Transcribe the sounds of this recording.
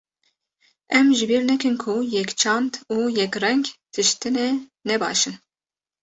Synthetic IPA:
ɛmʒɨbiɾnɛkɨnkʰujɛkt͡ʃʰɑnd̪uːjɛkʲrɛŋɡt̪ʰɨʃt̪ɨnɛnɛbɑ̰ːʃɨn

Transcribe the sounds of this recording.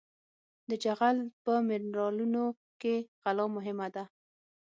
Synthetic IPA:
d̪əd͡ʒaɣalpəmɪɾɾɑluno | keɣalɑmʊɦɪmad̪a

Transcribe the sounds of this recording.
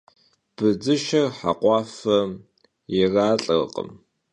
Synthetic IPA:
b̥ɨd͡zɨʃɐrħa̰qʷʼɑːfɐ | jɪraːɬʼɐr̰qʼə̰m

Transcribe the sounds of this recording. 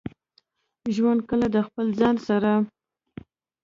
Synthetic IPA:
ʒwand̪̚kəlad̪əxpəlzɑnsaɾa

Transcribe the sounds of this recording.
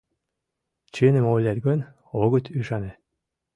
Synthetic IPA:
t͡ɕenĕmolʲɑt̪ɡonʲ | oɣə̆t̪ʲyʃɑne

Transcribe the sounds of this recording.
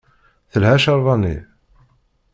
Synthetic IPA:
θəlhæʃɑɾˤðˤɑnḭ

